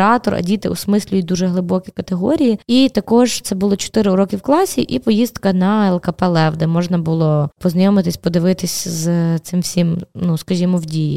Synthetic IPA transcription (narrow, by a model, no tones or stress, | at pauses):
ɑt̪ɔrɐ̰dʲit̪ɪɔsmɪsʲlʲʊjɪd̪uʒɛɦlˠɪbɔkʲikɐt̪eɦɔɾʲijiit̪ɐkɔʒt̪sɛbʊlˠɐt͡ʃɔ̥t̪ɪɾɪɾɔkʲɪwklˠɑsʲiʔipɔjizd̪kɐnɐɛlˠkɐpɛlˠɛwd̪ɛmɔʒnɐbʊlˠɔpɔznɐjɔmɪt̪ɪsʲpɔd̪ɪʋɪt̪ɪsʲzt̪sɪmwsʲimnuskɐʒʲimɔwdʲijḭ